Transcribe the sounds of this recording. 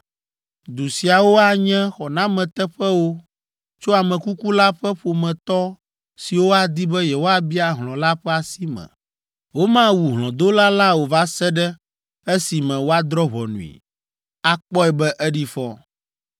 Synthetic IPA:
d̪u˨si˨a˨wo˦a˨ɲɛ̃˦xɔ˨nã˦mɛ̃˨t̪ɛ˦ɸɛ˦wo˦ | t͡ʃo˦a˨mɛ̃˨ku˦ku˦la˦ɸɛ˦ɸo˨mɛ̃˨t̪ɔ˦ | si˨wo˦a˦d̪i˦bɛ˦jɛ˨wo˦a˦bi˦a˦ɦlɔ̃˨la˦ɸɛ˦a˨si˦mɛ̰̃˨ | wo˦mã˦wu˨ɦlɔ̃˨d̪o˦la˦la˦wo˨va˦sɛ˦ɖɛ˦ | ɛ˦si˨mɛ̃˨wo˦a˦d̪ɾɔ˦ɦɔ˨nṵ̃˨ḭ˨ | a˦k͡pɔ˦ɛ˨bɛ˦ʔɛ˦ɖi˦fɔ˦

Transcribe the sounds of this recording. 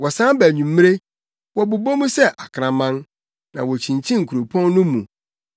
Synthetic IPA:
wɔ˨sã˦bæ˨ɲũ˨mː˦e˦ | wɔ˨bʊ˨bo˦mũ˦sɛ˦˨ʔa˨kʰɾã˨mã˦n | nã˨wɔ˨t͡ɕʰĩ˨n˨t͡ɕʰĩ˦ŋ̩˨kʰu˨ɾo˨pʰɔ̃˦nːʊ̃˦mũ˨

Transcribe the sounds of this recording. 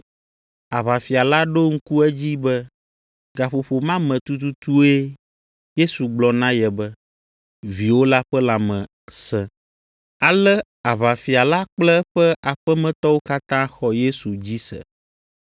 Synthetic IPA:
a˨βa˨fi˨a˨la˦ɖo˦ŋ̩˦ku˦ɛ˦d͡ʑi˦bɛ˦ | ɡa˨ɸo˨ɸo˨mã˦mɛ̃˨t̪u˦t̪u˦t̪u˦e˦ | je˦su˨ɡ͡blɔ˨nã˦jɛ˨bɛ˦ | vi˨wo˦la˦ɸɛ˦la˨mɛ̃˨ | sɛ̃˨ | a˨lɛ˦ | a˨βa˨fi˨a˨la˦k͡plɛ˦ɸɛ˦ʔa˨ɸɛ˦mɛ̃˨t̪ɔ˦wo˦ka˦t̪ã˦xɔ˦je˦su˨d͡ʑi˦sɛ̰˨

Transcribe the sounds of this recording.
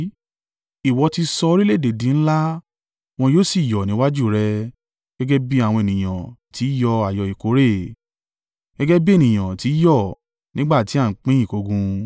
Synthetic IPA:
i˨wɔ˧ti˧sɔ˧˦ɾi˦le˦˨de˨dĩ˨˦ñ̩˦la˦ | w̃ɔ̃˧joː˦si˦˨jɔ˨nĩ˨˦wa˦d͡ʒu˦˨ɾɛ˧ | ɡ̥ɛ˦ɡɛ˦bi˦a˦˨w̃ɔ̃˧e˨nĩ˨j̃ã̰˨ti˨˦jɔ˧a˨jɔ˨i˨ko˨˦ɾe˦˨ | ɡ̥ɛ˦ɡɛ˦bi˦e˦˨nĩ˨j̃ã˨ti˨˦jɔ˦˨ | nĩ˦ɡ͡ba˦˨ti˨˦a˦˨˦k͡pĩ˦ĩ˦˨ko˧ɡũ˧

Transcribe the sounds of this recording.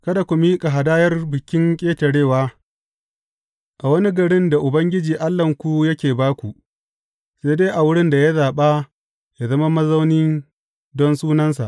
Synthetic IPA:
kɐ˦da˨kʷu˨miː˦kʼa˨ɦa˨daː˦jɐ˦rbɪ˨kʲɪ˦ŋkʲʼeː˦tɐ˨ɽeː˦˨waː˦ | ʔa˨wɐ˦ni˦ɡɐ˨ɽɪ˦nda˨ʔʊ˨bɐ˦ŋɡʲɪ˦d͡ʒiː˨ʔa˦lːɐ˨ŋkʷu˦jɐ˦kʲeː˨baː˦kʷu˨ | se˦deː˦ʔa˨wʊ˦ɽɪ˦nda˨ja˦zaː˨ɓa˦ | ja˨zɐ˦ma˦mɐ˦za˦wnɪ˦n | dɔ˦nsuː˦nɐ˦nsa̰˨ʔ

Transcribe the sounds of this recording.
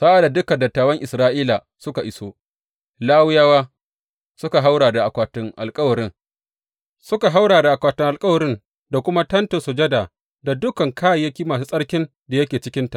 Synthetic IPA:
saː˦ʔa˨da˨dʊ˦kɐ˨ndɐ˨tːaː˨wɐ˦ŋʔɪ˨sɾaː˦ʔiː˦la˨ | sʊ˦ka˨ʔɪ˦soː˦ | laː˦wʊ˦jaː˦waː˦ | sʊ˦ka˨ɦa˦wɽaː˨da˨ʔa˨kʷaː˨tʊ˦ŋʔa̰˨lkʼɐ˦wɐ˨ɾɪ˦ŋ | sʊ˦ka˨ɦa˦wɽaː˨da˨ʔa˨kʷaː˦tʊ˦ŋʔa˨lkʼɐ˦wɐ˨ɾɪ˦n | da˨kʷʊ˦ma˦tɐ˦ntʊ˨sʊ˨d͡ʒɐ˦daː˨ | da˨dʊ˦kɐ˨ŋkʰaː˦jjɐ˦kʲiː˦maː˨s̬uː˦sʼɐ˦ɽkʲɪ˦n | da˨jɐ˦kʲeː˨t͡ʃɪ˦kʲɪ˦nta˨ʔ

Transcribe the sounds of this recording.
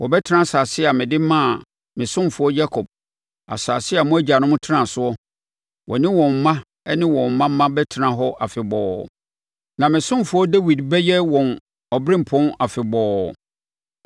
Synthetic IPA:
wɔ˨bɛ˦tʰɪ˦nã˦saː˨sɪ˦a˨mɪ̃˨dɪ˦mã˦˨ | mɪ̃˨sʊ̃˦m˨fʊ˨˦ɔ˦d͡ʑa˦kʰɔ˨b̚ | a̰˨sa˨sɪ˦a˨mʊ̃˦æ˦d͡ʑa˨nʊ̃˦mʊ̃˦tʰɪ˦nã˨sʊ˦ɔ˦ | wɔ̰˨nɪ̃˦wɔ̃˨m̩˦mã˦ | ɛ˦nɪ̃˦wɔ̃˨m̩˨mã˦m̩˦mã˦bɛ˦tʰɪ˨nã˨ɦɔ˦ʔa˨fɪ˨bɔː˨ | nã˨mɪ̃˨sʊ̃˦m˨fʊ˨˦ɔ˦dɛ˦wi˨dbɛ˦jɛ˦wɔ̃˨n | ɔ˨bɾɪ̃˦m̩˨pʰɔ̃˦na˨fɪ˨bɔː˨˦

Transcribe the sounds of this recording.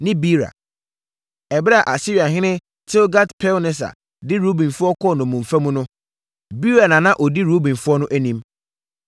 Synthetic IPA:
nɪ̃˦bi˦ɾa̰˨ | ɛ˨bɾa˨ʔa˨sɪ˦ɥa˨ɦɪ̃˦nɪ̃˦ | tʰɪ˦lɡa˦tpʰɛ˦lnɪ̃˦s̬a̰˨ | dɪ˦ɾo˦bĩ˨nfʊ˦ɔ˦kʰɔ˦˨nʊ̃˨mũ˨mfæ˦mũ˦nʊ̃˦ | bi˦ɾa˨nã˨nã˦ʔɔ˨di˦ɾo˦bĩ˨nfʊ˦ɔ˦nʊ̃˦ʔæ˦nĩ˦m

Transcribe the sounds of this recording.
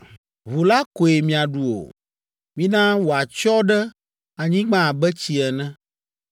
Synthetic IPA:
βo˨la˦ko˨e˨mĩ˨a˨ɖu˨o̰˨ | mĩ˦nã˦wo˨a˨t͡ʃɔ˦ɖɛ˦ | a˨ɲĩ˦ɡ͡bã˦˨bɛ˦t͡ɕi˨ɛ˨nɛ̃˦

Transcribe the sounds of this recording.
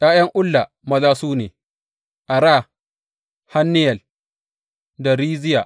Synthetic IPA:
jaː˦jɐ˦ŋʔʊ˦lːa˨ | mɐ˦laː˦suː˦neː˨ | ʔa˨ɾaː˦˨ | ha˦nːɪ˦jɐ˨l | da˨ɾiː˦zɪ˦ja̰ː˨ʔ

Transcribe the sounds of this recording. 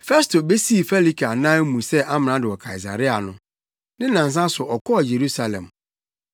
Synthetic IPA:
fɛ˦stʰo˨be˦si˦˨fɛ˦li˦kʰa˨nã˦mũ˨sɛ˦ʔa˦mɪ̃˨nã˦dɪ˨wɔ˨kʰa˨i˨s̬a̰˨ɾɪ˦a˨nʊ̃˦ | nɪ̃˦nã˨n˨s̬ã˦sʊ˨ʔɔ˨kʰɔ˦˨je˨ɾu˦sa˨lɛ̰̃˨m

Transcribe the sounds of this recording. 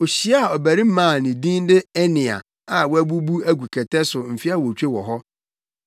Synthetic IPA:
o˨ɕi˦a˦˨ɔ˨bæ˨ɾĩ˦m̩˦mãː˦˨nɪ̃˨dĩ˦n˦dɪ˦ɛ˦nɪ̃˨a̰˨ | a˨wɔ˦æ˦bu˦bu˦æ˦ɡʷu˨kʰɛ˨tʰɛ˦sʊ˨m̩˨fi˦a˦wo˨t͡ɕᶣe˦wɔ˨ɦɔ˦

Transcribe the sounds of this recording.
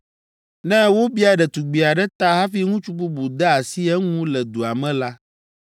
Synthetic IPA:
nɛ̃˦wo˦bi˦a˨ɖɛ˨t̪u˨ɡ͡bi˨a˨ɖɛ˦t̪a˦ɦa˦fi˦ŋũ˦t͡ʃu˦bu˦bu˨d̪ɛ˦a˨si˦ɛ˦ŋũ˦lɛ˨d̪u˨a˨mɛ̃˦la˦

